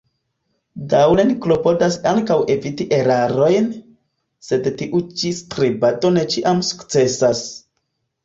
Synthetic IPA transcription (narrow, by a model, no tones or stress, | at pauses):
dawlenklo̞po̞dasaŋkawʔe̞vitiʔe̞ɾaɾo̞jn | se̞dtiʔut͡ʃistɾibato̞ne̞t͡ʃiʔamsu̥kt͡se̞sas